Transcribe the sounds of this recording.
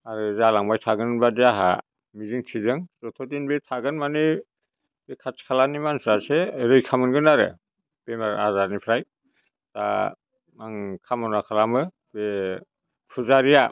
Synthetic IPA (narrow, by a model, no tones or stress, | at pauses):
aɾɯzalaŋbajtʰaɡɯnnbadiaɦa̰ | miziŋtʰizɯŋsɔtʰɔt̬inbetʰaɡɯnmanɯ | bekʰat͡ʃkʰalanimansʰɾaseɾɯjkʰamɯnɡɯnaɾɯ̰ | b̥emaɾa̰zaɾnipʰɾaj | ta | maŋkʰamɔnakʰalamɯ | be | pʰuzaɾija